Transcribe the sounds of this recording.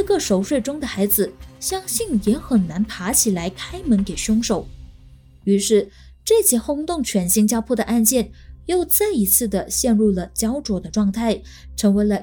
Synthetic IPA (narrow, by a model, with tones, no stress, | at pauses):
ɡə˥˩ʂo˨˧˩ʊʂwe˥˩ɪʈ͡ʂʊ˥ŋd̪ə˨xa˧˥ɪd͡zɹ̩˧ɕjɑ˥ŋɕi˥˩njɛ˧˥xə˨˩nna˧˥npʰa˧˥t͡ɕʰi˨˩la˧˥ɪkʰa˥ɪmə˧˥nke˨˩ɪɕʊ˥ŋʂo˨˩ʊ | y˧˥ʂɻ̩˥˩ | ʈ͡ʂɤ˥˩t͡ɕjɛ˧˥xʊ˥ŋt̪ʊ˥˩ŋt͡ɕʰɥɛ˧˥nɕi˧˥ŋt͡ɕjɑ˥ʊpʰɔ˥˩d̪ə˩ʔa˥˧nt͡ɕjɛ˥˩njo˥˧ʊt͡sa˥˩ɪi˧˥t͡sʰɹ̩˥˩d̪ə˩ɕjɛ˥˧nɻu˥˩lə˩t͡ɕjɑ˥ʊʈ͡ʂwɔ˧˥d̪ə˧ʈ͡ʂwɑ˥˧ŋt̪ʰa˥˩ɪ | ʈ͡ʂʰɤ˧˥ŋwe˧˥ɪlə˧